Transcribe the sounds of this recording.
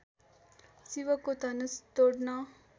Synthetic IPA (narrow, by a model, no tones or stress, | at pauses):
siʋəkot̪ɐnəst̪oɖna